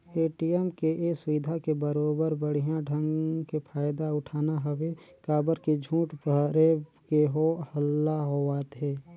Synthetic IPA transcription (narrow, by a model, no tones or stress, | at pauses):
eːʈiɛmkeʔesʊʋɪd̪ʱakebəɾoːbəɾbəɽ̤ijãɖʱə̃ŋɡkepʰaːjd̪aʊʈʰaːnaɦəwekaːbəɾked͡ʒʱũːʈbəɾekeɦohəlːaɦoaːt̪ɦeː